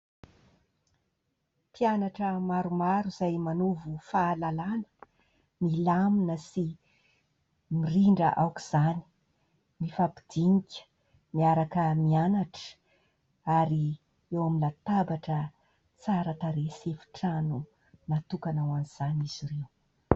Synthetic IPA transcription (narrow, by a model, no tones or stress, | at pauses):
pianaʈ͡ʂəmaɾumaɾuzajmanuvufaːlalanə̥ | milaminəsi | miriɳɖ͡ʐəʔawkuz̥ani̥ | nifapi̥d̪̥iŋikʲə̥ | miaɾakəmianaʈ͡ʂə̥ | aɾi | ewamilat̪abaʈ͡ʂə | t͡saɾət̪aɾesefi̥ʈ͡ʂanu | nat̪ukanawaniz̥aniz̥iɾew